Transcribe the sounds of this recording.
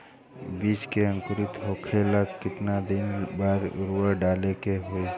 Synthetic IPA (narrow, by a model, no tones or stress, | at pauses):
biːt͡ʃkeə̃ŋkʊɾɪt̪ɦoːkʰeləɡkɪt̪nad̪ɪnbaːɾɾuəɖaːlekeɦoi